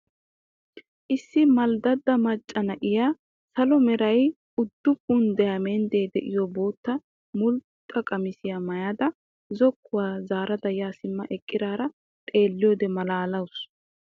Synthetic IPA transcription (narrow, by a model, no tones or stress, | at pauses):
ʔɪsːɪmɐld̪ɐd̪ːɐmɐt͡ʃʼːɐnɐʔɪjaː | sɐlɔmɛɾɐj | ʊd̪ːʊpːʊnd̪ɛjaːmɛnd̪eːd̪ɛ̰ʔɪjɔbo̞ːt̪ːɐ | mʊlt̪ʼːɐkʼɐmɪsɪjamɐjaːd̪ɐ | zɔkːʊwaːzaːɾɐd̪ɐjaːsɪmːɐʔɛkʼːɪd̪aːɾɐ | t̪ʼe̞ːlːɪjoːd̪ɛmɐlaːlɐws